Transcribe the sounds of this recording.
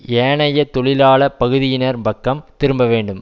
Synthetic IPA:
eːɳɐjɐt̪ɔɭɪlaːɭɐpɐɣɯðɪjɪnɐɾmbɐkːɐmt̪ɪɾɯmbɐʋeːɳɖɯm

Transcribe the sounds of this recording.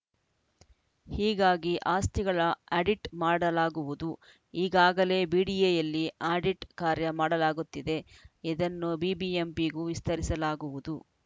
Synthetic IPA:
hiːɡaːɡiʔaːst̪iɡɐɭɐaɖiʈmaːɽɐlaːɡuʋud̪u | iːɡaːɡɐle̞ːbiːɽijejɐlːiaːɖiʈkaːɾjɐmaːɽɐlaːɡut̪ːid̪e̞id̪ɐnːubiːbiempiɡuʋist̪ɐɾisɐlaːɡuʋud̪u

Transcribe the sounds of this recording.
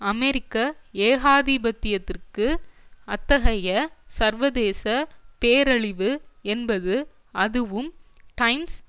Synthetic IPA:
ɐmɛɾɪkːɐeːɣaːðibɐt̪ːɪjɐt̪ːɪrkɯɐt̪ːɐɣɐjɐsɐɾʋɐðeːsɐpeːɾɐɭɪʋɯɛnbɐðɯ | ɐðɯʋɯm | ʈɐɪms

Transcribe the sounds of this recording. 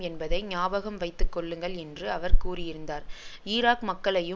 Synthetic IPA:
ɛnbɐðɐɪnaːbɐɣɐmʋɐɪt̪ːɯkːɔɭːɯŋɡɐɭɛndrɯɐʋɐɾkuːɾɪjɪɾɯnd̪aːɾɪːɾaːkmɐkːɐɭɐjɯ

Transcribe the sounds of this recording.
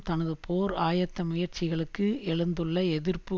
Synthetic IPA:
t̪ɐnɐðɯpʰoːɾaːjɐt̪ːɐmʊjɐɾt͡ʃɪɣɐɭɯkːɯɛɭɯnd̪ɯɭːɐɛðɪrpɯ

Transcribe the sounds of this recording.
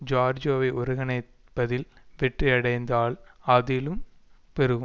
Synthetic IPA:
d͡ʒaːɾd͡ʒoːʋɐɪʔɔɾɯɣɐnɐɪ | pːɐðɪlʋɛʈriɐɽɐɪnd̪aːlɐðɪlɯm | pɛɾɯɣ

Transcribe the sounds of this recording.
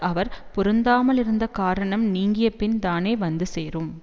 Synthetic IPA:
ɐʋɐɾpʊɾɯnd̪aːmɐlɪɾɯnd̪ɐkaːɾɐɳɐmniːŋɡɪjɐpːɪnt̪aːneːʋɐnd̪ɯseːrɯm

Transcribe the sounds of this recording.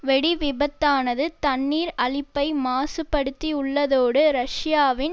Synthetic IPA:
ʋɛɽiʋɪbɐt̪ːaːnɐðɯt̪ɐnːiːɾɐɭɪpːɐɪmaːsɯpːɐɽɯt̪ːiʊɭːɐðoːɽɯɾɐʂɪjaːʋɪn

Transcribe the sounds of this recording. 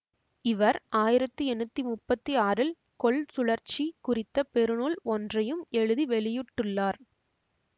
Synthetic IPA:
ɪʋɐɾaːjɪɾɐt̪ːɯɛnːɯt̪ːimʊpːɐt̪ːiaːɾɪl | kɔɭsʊɭɐɾt͡ʃikʊrɪt̪ːɐpɛɾɯnuːɭɔndrɐjɯmɛɻɯðiʋɛɭɪjɯʈːɯɭːaːɾ

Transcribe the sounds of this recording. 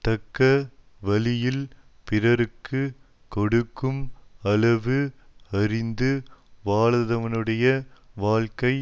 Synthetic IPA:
t̪ɐkːɐ | ʋɐlɪjɪl | pɪrɐɾɯkːɯ | kɔɽɯkːɯmɐlɐʋɯɐrɪnd̪ɯʋaːɭɐðɐʋɐnɯɽɐjɐʋaːɭkɐɪ

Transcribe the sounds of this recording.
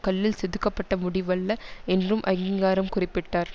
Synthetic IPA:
kɐɭːɪlsɛðɯkːɐpːɐʈːɐmʊɽɪʋɐɭːɐɛndrɯmʔɐɣiŋɡaːɾɐmkʊrɪpːɪʈːaːɾ

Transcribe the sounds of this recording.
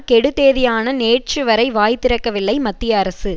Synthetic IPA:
kɛɽɯt̪ːeːðɪjaːnɐneːʈ̚t͡ʃɯʋɐɾɐɪʋaːjt̪ːɪɾɐkːɐʋɪlːɐɪmɐt̪ːɪjɐɐɾɐsɯ

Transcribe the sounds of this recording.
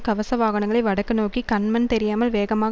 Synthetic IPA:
kɐʋɐsɐʋaːɣɐɳɐŋɡɐɭɐɪʋɐɽɐkːɐnoːkikɐnmɐnt̪ɛɾɪjaːmɐlʋeːɣɐmaːɣ

